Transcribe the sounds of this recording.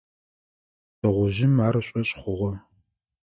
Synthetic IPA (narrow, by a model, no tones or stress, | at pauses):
tʰɐʁʷʊʒɪmaːɾɐɕʷʼɐɕʼχʷʊʁɐ